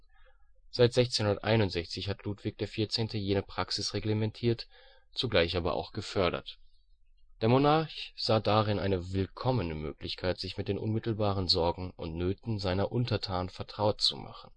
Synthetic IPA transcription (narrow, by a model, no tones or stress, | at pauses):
z̥aɪtz̥ɛçt͡senhʊndɐtʔa̰ɪnʊntz̥ɛçt͡sɪçhatʰluːtv̥ɪk̚d̥eːɐfiːɐt͡seːntəjeːnəpʁ̥aksɪsʁeɡləmɛntʰiːɐt | t͡suɡlaɪçʔaːbɐ̰ʔa̰ʊxɡ̥əfœɐɾɐ̰t | d̥eːɐmonaɐçz̥aːdaʁɪnʔa̰ɪnəvɪlkʰɔmənəmø̰ːklɪçkʰaɪtz̥ɪçmɪt̚d̥eːnʔʊ̰nmɪtl̩baːʁ̞ənzɔɐɡŋ̩ʊ̰ntnøːtn̩zaɪnɐʔʊntɐtʰaːnnfɛɐtʁ̥aʊtt͡suma̰χn̩